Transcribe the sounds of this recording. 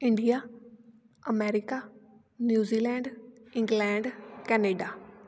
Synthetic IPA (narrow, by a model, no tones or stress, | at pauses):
ɪ̃ɳɖija | ɐmɛːɾɪka | njuːziːlɛ̃ːɳɖɪ̃ŋɡlɛ̃ːɳɖkɛːneːɖa